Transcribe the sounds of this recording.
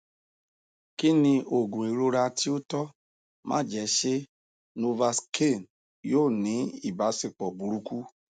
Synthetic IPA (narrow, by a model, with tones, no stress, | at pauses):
ki˦nĩ˧ʔo˨ɡũ˨i˨ɾo˧ɾa˧ti˦o˦tɔ˦ | mã̰˦˨d͡ʒɛ˨˦ʃe˦ | no˧va˧skʰe˦˨n | joː˦˨nĩ˨˦i˦˨ba˨˦se˨k͡pɔ˨bu˨˦ɾu˧˦ku˦